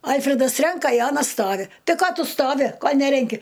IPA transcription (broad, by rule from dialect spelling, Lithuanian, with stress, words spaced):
ˈɐlʲfʲrʲɛdɐs ˈrʲɛŋkɐ ɪ ˈɑːnɐs ˈstoːʋʲɪ ˈtɐɪ ˈkoː ˈtʊ ˈstoːʋʲɪ ˈkoː ˈnʲæːrʲɛŋʲkʲɪ